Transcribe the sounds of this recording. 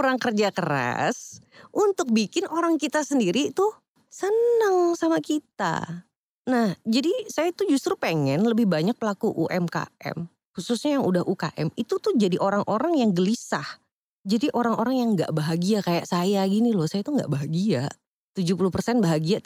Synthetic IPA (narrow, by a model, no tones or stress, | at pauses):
ɾaŋkərd͡ʒakəɾa̰sʔunt̪ʊk̚bikɪnoɾaŋkit̪asəndiɾit̪ʊh | sənəŋsamakit̪a̰ | nahd͡ʒadisajait̪ud͡ʒust̪ɾupeŋɛnləbɪhbaɲak̚pəlakuʔuʔɛmka̰ɛ̰m | husʊsɲajaŋudahʔuka̰ʔɛ̰mit̪ut̪ʊhd͡ʒadiʔoɾaŋʔoɾaŋjaŋɡəlisah | d͡ʒadiʔoɾaŋoɾaŋjaŋɡa̰ʔbaɦaɡiakajaʔsajaɡinilʊhsajat̪uŋɡa̰ʔbaɦaɡia | t̪ud͡ʒupulupərsɛnbaɦaɡia